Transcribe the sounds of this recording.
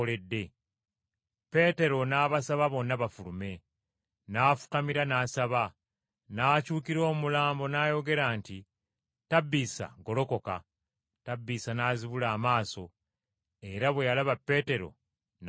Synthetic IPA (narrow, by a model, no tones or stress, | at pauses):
le̞dːe̞ | pe̞te̞ɾo̞naːβasaβaβo̞nːaβafulume̞ | naːfu̥kamiɾanaːsaβa | naːcuːkiɾo̞ːmulaːmbo̞naːjo̞ɡe̞ɾaːnti | tabːiːsa̰ɡo̞lo̞ko̞ka̰ | tabːiːsanaːziβulaːmaːso̞ | e̞ɾaβwe̞jalaβapːe̞ːte̞ɾo̞̰ | n